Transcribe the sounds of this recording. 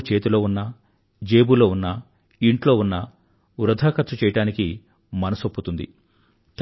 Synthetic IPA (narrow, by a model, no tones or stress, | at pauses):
t͡ʃe̞ːt̪ilo̞ːunːɐ | d͡ʒeːbulo̞ːunːɐ | iɳʈlo̞ːunːɐ | uɾɐd̪ʱaːkɐt̪ʃɐt͡ʃɛːjɐʈaːniki | mɐnɐsopːut̪und̪ḭ | t̪